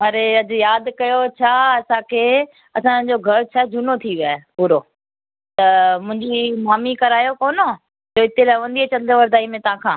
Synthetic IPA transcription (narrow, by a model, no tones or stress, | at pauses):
ɐɾeɐd̪ɪjaːd̪kɐjot͡ɕʰaɐsãkʰeː | ɐsãd͡ʑoɡʱɐɾt͡ɕʰad͡ʑʱuːnot̪ʰiʋiaːepuːɾoː | t̪ɐmʊ̃ɦɪ̃ɲd͡ʑimaːmikɐɾaːjokoːno | d͡ʑoːɪt̪elaːɪʋɐ̃n̆d̪iet͡ɕɐ̃nd̪ʋɐɾd̪aːimẽt̪ɐʋ̤ãkʰãː